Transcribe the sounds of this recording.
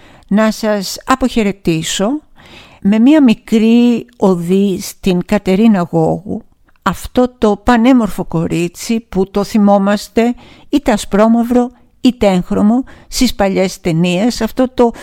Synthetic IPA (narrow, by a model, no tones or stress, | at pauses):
nɐsɐsɐpo̞çe̞ɾe̞t̪iso̞ | me̞miɐmikɾio̞ðist̪iŋkɐt̪e̞ɾinɐɣo̞ɣṵ | ɐft̪o̞t̪o̞pɐne̞mo̞ɾfo̞ko̞ɾit͡siput̪o̞θimo̞mɐst̪e̞ | it̪e̞ɐspɾo̞mɐvɾo̞ | it̪eeŋxɾo̞mo̞st̪ispɐʎe̞st̪e̞niesɐft̪o̞t̪o̞